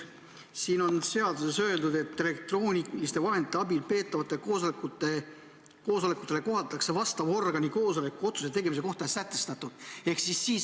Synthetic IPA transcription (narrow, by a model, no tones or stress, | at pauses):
siːno̞nse̞ɑd̪use̞sø̞e̞ld̪ud̪̥e̞t̪ːˑe̞lek̚t̪roːnʲilist̪e̞vɑɦenit̪ːeɑbilpe̞ːt̪ːˑɑvɑt̪ːˑe̞koːskue | ko̞ːsolekˑut̪ˑːele̞ko̞ɦɑt̪ːˑɑkse̞vɑst̪ɑvo̞rɡɑniko̞ːsolekːuo̞t̪su̥se̞t̪e̞ɡe̞mise̞ko̞ht̪ɑesæt̪ːˑe̞̥st̪ɑt̪ːˑud̪̥e̞hksisːiːs